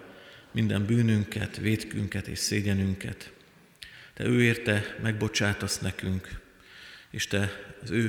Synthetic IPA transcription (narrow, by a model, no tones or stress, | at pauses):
mind̪ɛmbyːnyŋkɛ̰t̪ʋeːt̪kyŋkɛt̪ḛːʃseːɟɛnyŋkɛ̰t̪ | t̪ɛ̰øːeːrt̪ɛmɛɡ̚bo̞t͡ʃaːt̪osnɛkyŋk | eːʃt̪ɛɒzøː